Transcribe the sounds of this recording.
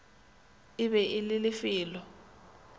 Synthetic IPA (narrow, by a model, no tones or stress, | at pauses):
ɪβɛʔɪlɪlɪfiːlɔ